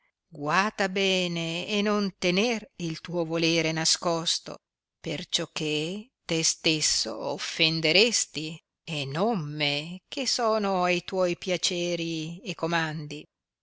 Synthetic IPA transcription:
ɡwart̪abɛːneːnont̪enerilt̪uːovoleːɾenaskɔst̪o̰ | pert͡ʃɔk̟ːet̪est̪esːo̰ofːend̪eɾest̪i | enomːek̟esoːnoajt̪wɔjpjat͡ʃɛːɾiekːomand̪i

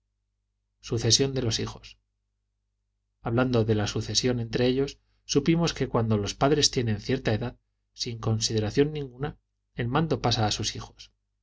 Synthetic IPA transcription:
suθe̞sjo̞nd̪e̞lo̞sixo̞̥s | aβland̪o̞ðe̞lasuθe̞sjo̞nẽ̞nt̪ɾe̞eʎo̞sː | upimo̞ske̞kwand̪o̞lo̞spaðɾest̪je̞nẽ̞nθje̞ɾt̪ae̞ðað | siŋko̞nsiðe̞ɾaθjo̞nːĩŋɡuna | e̞lmãnd̪o̞pasaːsusixo̞̥s

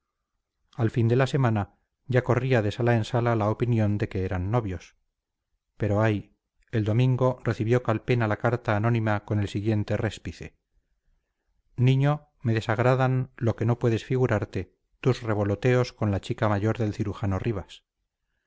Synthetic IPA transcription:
alfind̪e̞lase̞mana | ʝako̞riaðe̞salaensalalaopinjõ̞nd̪e̞ke̞eɾanːo̞βjo̞s | pe̞ɾo̞aj | e̞ld̪o̞mĩŋɡo̞re̞θiβjo̞kalpe̞nalakaɾt̪aːno̞nĩmako̞ne̞lsiɣje̞nt̪e̞re̞spiθe̞ | nĩɲo̞ | me̞ðe̞saɣɾaðanlo̞ke̞no̞pwe̞ðe̞sfiɣuɾaɾt̪e̞ | t̪uzre̞βo̞lo̞t̪e̞o̞sko̞nlat͡ʃikamaʝo̞ɾðe̞lθiɾuxano̞riβ̞as

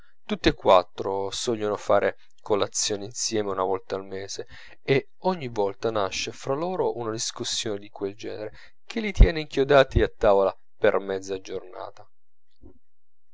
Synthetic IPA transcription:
t̪ut̪ːeekːwat̪ːɾosɔʎːonofaːɾʔe | kolat̪sːjoːneinsjɛːmeunavɔlt̪aːlmeːze | e | ɔɲːivɔlt̪anaʃːefɾaloːɾoʔunad̪iskusːjoːned̪ikweld͡ʒɛ̰ːneɾe | k̟ʰelːit̪jɛːneiŋkjod̪aːt̪iat̪ːaːvola | permɛd̪zːad͡ʒorna̰ːt̪a

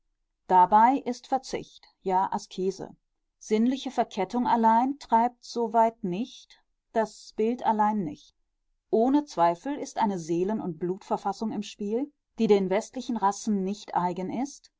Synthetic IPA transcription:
d̥abaɪʔɪstfɛɐt͡sɪ̰çt | jaːʔaskʰeːzə̰ | z̥ɪnlɪçəfɛɐkʰɛtʊŋalaɪntʁ̥aɪp̚tz̥ovaɪtnɪçt | d̥asb̥ɪltʔalaɪnːɪ̰çt | ʔoːnət͡sv̥aɪfl̩ɪstʔaɪnəzeːlənʊ̰nt̚b̥luːtfɛɐfasʊŋɪmʃpiːl | d̥iːdeːnvɛstlɪçn̩ʁasn̩ːɪçtʔaɪɡənɪst

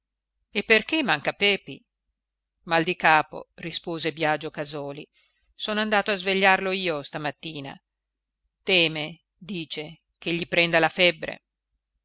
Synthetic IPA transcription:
epːerk̟emːaŋkapɛːpḭ | mald̪ikaːpo̰rispoːzebjad͡ʒːokazɔːli | soːnoand̪aːt̪oazveʎːarloiːost̪amat̪ːiːna̰ | t̪ɛːme | d̪iːt͡ʃe | k̟eʎːipɾɛnd̪alafɛbːɾḛ

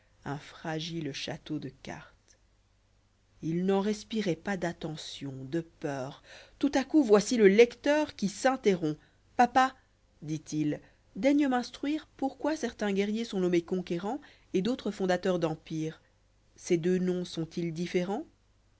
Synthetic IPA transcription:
ɛ̃fχaʒilʃa̰t̪od̪əka̰ʁt̪ | ilnɑ̃ʁɛspiʁɛpad̪at̪ɑ̃sjɔ̃d̪əpœːʁt̪ut̪akuvwasiləlɛkt̪œːʁkʲisɛ̃t̪eʁɔ̃ | papa | d̪it̪il | d̪ɛɲəmɛ̃st̪χɥiːʁpuʁkwasɛʁt̪ɛ̃ɡʲɛʁjesɔ̃nɔmekɔ̃keʁɑ̃ | ed̪ot̪χəfɔ̃d̪at̪œʁd̪ɑ̃piːʁ | sɛd̪ønɔ̃sɔ̃t̪ild̪ifeʁɑ̃

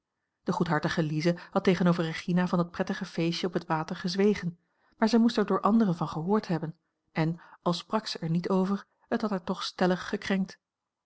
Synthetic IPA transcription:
d̥əχutɦɑɹtəχəlizəhɑteχənowvəɹəχinavɑndɑt̚prɛtəχəv̥ejʃəɔpətʋaːtəɹχəzʋejχən | maːɹzɛjmustɛɹdʊːɹʔɑndəʁənvɑnχəɦʊːɹtɦɛbən | ʔɛnɑlˠsprɑksəʔɛɹnitowvəɹ | ətɦɑtaːɹtɔχstɛləχːəkrɛŋk̚t

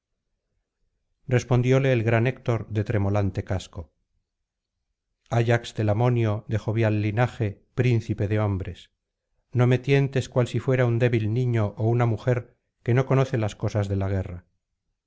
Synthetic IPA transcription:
re̞spo̞nd̪jo̞le̞ːlɣɾane̞kt̪o̞ɾðe̞t̪ɾe̞mo̞lant̪e̞kasko̞ | aʝakst̪e̞lamo̞njo̞ðe̞xo̞βjalːinaxe̞pɾin̟θipe̞ðeo̞mbɾe̞s | no̞me̞t̪je̞nt̪e̞skwalsifwe̞ɾaund̪e̞βilnĩɲo̞ʔounamuxe̞ɾ | ke̞no̞ko̞no̞θe̞lasko̞sazðe̞laɣ̞e̞ra

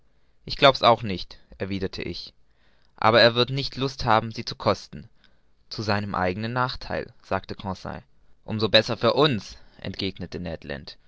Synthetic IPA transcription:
ʔɪçɡ̥laʊbəsaʊxnɪçtʔɛɐviːdɐtʰə̰ʔɪ̰ç | ʔa̰ːbɐeːɐvɪɐtnɪçtʰlʊsthaːbm̩ziːt͡sukʰɔstn̩ | t͡suzaɪnəmʔa̰ɪɡənənːaːχtʰa̰ɪlz̥aːktəkʰɔ̃sa̰ɪ | ʔʊmzobɛsɐfyːɐʔʊnsʔɛ̰ntɡ̥eːɡnətənɛːtlɛ̰nt

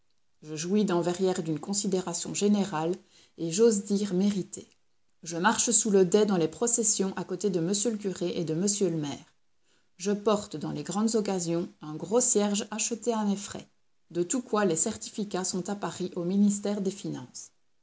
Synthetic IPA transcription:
ʒəʒuid̪ɑ̃vɛʁjɛʁd̪ynkɔ̃sid̪eʁasjɔ̰̃ʒeneʁal | eʒozd̪iːʁmeʁit̪ʰe | ʒəmaʁʃəsuləd̪ɛd̪ɑ̃lepχɔsɛsjɔ̃ʔakot̪ed̪əməsjølək̬ʲyʁeʔed̪əməsjøləmɛːʁ | ʒəpɔʁt̪d̪ɑ̃leɡʁɑ̃d̪zɔkazjɔ̃ɛ̃ɡʁosjɛʁʒaʃət̪eamefχɛ̰ | d̪ət̪ukwalesɛʁt̪i̥fikasɔ̃t̪apaʁiʔominist̪ɛːʁd̪efinɑ̰̃ːs

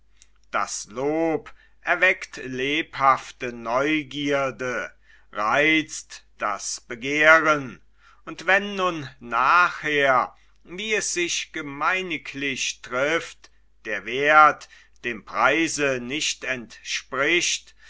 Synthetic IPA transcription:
d̥a̰sloːp | ʔɛɐvɛktleːphaftənɔʏɡiːɐdə | ʁaɪt͡std̥a̰sb̥əɡeːʁən | ʔʊntv̥ɛnːʊnːaːχheːɐ | viːɛsz̥ɪçɡ̥əmaɪnɪkʰlɪçtʁ̥ɪft | d̥eːɐveːɐt | d̥eːmpʁ̥aɪzənɪçtɛntʃpʁɪçt

